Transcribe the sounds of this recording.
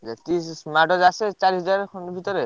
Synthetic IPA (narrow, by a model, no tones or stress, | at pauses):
d͡ʒat̪issmaʈɔd͡ʒaset͡ʃaɾisɔd͡ʒaɾkʰɔnbʱit̪ɔɾe